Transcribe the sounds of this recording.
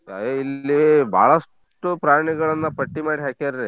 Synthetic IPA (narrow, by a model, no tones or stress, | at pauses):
a̰eilːibʱa̰ːɭɐs | ʈupɾaːjɐɳɐɡɐɭɐnːɐpɐʈːimaːɽiɦaːkaɾɾi